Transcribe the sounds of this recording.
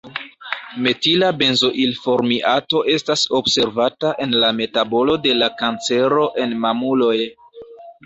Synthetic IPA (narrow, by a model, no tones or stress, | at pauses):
me̞tilabe̞nzo̞ʔilfo̞ɾmiʔato̞ʔe̞staso̞bse̞ɾvataʔe̞nlame̞tabo̞lo̞de̞lakant͡se̞ɾoʔe̞nmamulo̞j